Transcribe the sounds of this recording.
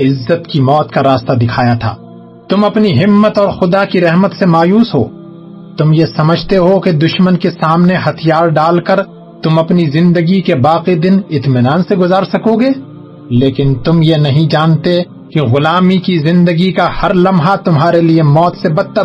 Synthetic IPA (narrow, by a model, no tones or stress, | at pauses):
ɪzːət̪kimɔːt̪kaɾaːst̪ad̪ɪkʰaːjat̪ʰa̰ː | t̪ʊmɐpniɦɪmːət̪ɔːɾxʊd̪akiɾɛɦmət̪semaːjuːsɦo̰ː | t̪ʊmjesɐməd͡ʒʱt̪eɦoked̪ʊʃmənkesaːmneɦɐt̪ʰijaːɾɖaːlkɐɾ | t̪ʊmɐpnizɪ̃nd̪əɡikebaːqid̪ɪnɪt̪mɪnaːnseɡʊzaːɾsɐkoɡeː | leːkɪnt̪ʊmjenɐɦĩd͡ʒaːnt̪e | kiɣʊlaːmikizɪ̃nd̪əɡikahɐɾlɐmɦat̪ʊmɦaːɾeliemɔːt̪sebɐd̪̚t̪ə